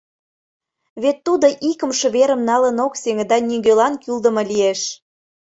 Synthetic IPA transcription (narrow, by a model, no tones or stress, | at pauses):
βet̪ːud̪oʔikə̆mʃəβeɾə̆mnɑlənokseŋə̆d̪ɑnʲiɡølɑnkyld̪ə̆mɤlieʃ